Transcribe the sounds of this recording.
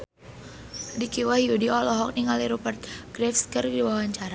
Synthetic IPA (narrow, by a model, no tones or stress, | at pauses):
dikiwahijudiɔlɔɦɔk̚niŋaliɾupərt̪̚ɡ̥ɾɛfskərdiwawaɲt͡ʃaɾa